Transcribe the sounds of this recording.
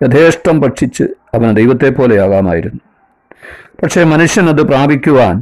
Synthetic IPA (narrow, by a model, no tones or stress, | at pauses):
jɐd̪ʰʱeːʂʈrɐmpɐʈʂit͡ɕːɨ̰ɐʋɐnd̪ejʋɐt̪ːe̞pːo̞ːle̞jaːɡaːma̰ːjiɾunːu | pɐʈʂe̞ːmɐnuʂjɐnɐðɨpraːbʱikʲːuʋaːn